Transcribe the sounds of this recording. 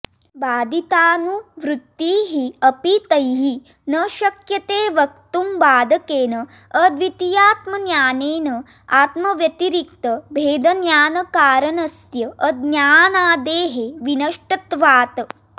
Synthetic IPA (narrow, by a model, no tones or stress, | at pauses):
baːd̪it̪aːnuʋɾut̪ːiːɦiɐpit̪ɐjɦi | nɐʃɐkjɐt̪eːʋɐk̚t̪umbaːd̪ɐkeːnɐː | d̪ʋit̪ijaːt̪mɐnjaːneːnɐ | aːt̪mɐʋjɐt̪iɾik̚t̪ɐbʱeːd̪ɐnjaːnɐkaːɾɐnɐsjɐʔɐd̪njaːnaːd̪eːɦeʋinɐʂʈɐt̪ʋaːt̪